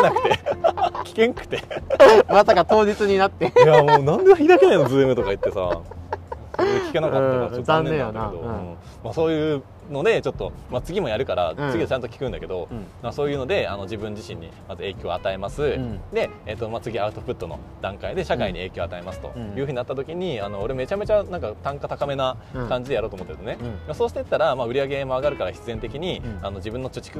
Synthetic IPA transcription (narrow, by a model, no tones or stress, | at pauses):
nakɯ̥t̪e̞kʲi̥kẽ̞ŋkɯ̟̥t̪e̞masakat̪o̞ːd͡ʑit͡sɨɲ̟inat̪ːejamoːnãnd̪e̞βaçid̪akʲenaino̞zɨːemɯ̟t̪o̞kait̪ːe̞sa̰ | soɾeekʲi̥kenakat̪ːooañẽaaked̪oɯ̃ | maso̞ːjɯ̟ː | no̞d̪e̞t͡ɕo̞t̪ːomat͡sɨɡʲimo̞jaɾɯ̟kaɾa̰t͡sɨɡʲid̪et͡ɕãnt̪o̞kʲi̥kɯ̟̃nake̞d̪o̞maso̞ːjɯ̟ːno̞d̪e̞ano̞d͡ʑibɯ̟̃ɲ̟d͡ʑiɕĩɲ̟ːḭmazɨe̞ːkʲo̞ːat̪ae̞masɨd̪e̞ | et̪ːo̞mat͡sɨɡʲiaɯ̟t̪o̞ɸɯ̟t̪ːo̞no̞̰ | d̪̥ãŋkaid̪e̞ɕakaiɲ̟ie̞ːkʲo̞ːat̪aemasɨ̥t̪o̞̰jɯ̟ɸɯ̟ɲ̟inat̪ːat̪o̞kʲiɲ̟iano̞ːɾe̞mme̞t͡ɕame̞t͡ɕanãŋkat̪ãŋkat̪akame̞na | kãɲ̟d͡ʑid̪e̞jaɾo̞ːt̪omot̪ːeɾsnemasoːɕi̥t̪eit̪ːaɾamaːɯ̟ɾʲiaɡe̞mo̞aɡaɾɯ̟kaɾaçi̥t͡sɨzent̪e̞kʲiɲ̟iano̞d͡ʑibɯ̟̃nːo̞t͡ɕot͡ɕi̥kɯ